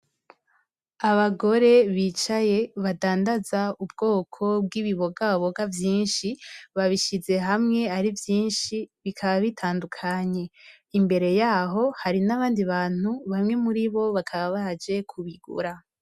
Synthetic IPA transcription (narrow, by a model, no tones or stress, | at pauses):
aβaɡo̞ɾe̞βiːt͡ʃaje̞βadaːndazaubɡo̞ːkʰo̞b̚ɡiβiβo̞ɡaβaβo̞ɡavjiːnʃiβaβiʃize̞ɦamŋe̞aɾivjiːnʃiβikʰaβaβitʰaːndukʰaɲe̞ | imbe̞ɾe̞jaːɦo̞haɾinaβaːndiβaːn̥uβamŋe̞muɾiβo̞βakʰaβaβad͡ʒe̞kʰuβiɡṵɾa